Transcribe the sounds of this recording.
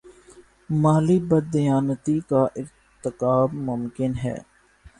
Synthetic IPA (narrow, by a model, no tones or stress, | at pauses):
maːlibəd̪ɪjaːnət̪ikaʔɪɾ | t̪ɪkaːbmʊmkɪnɦɛ̰ː